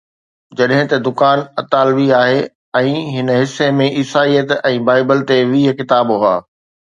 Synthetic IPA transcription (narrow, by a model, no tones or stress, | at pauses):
d͡ʑɐɗɦɪ̃t̪ɐd̪ʊkaːnɐt̪aːlʋiaːɦeː | ɛ̃ːɦɪnɦɪsːemẽʔɪsaːijət̪ɛ̃ːbaːɪbəlt̪eʋiːɦəkɪt̪aːbɦʊa̰ː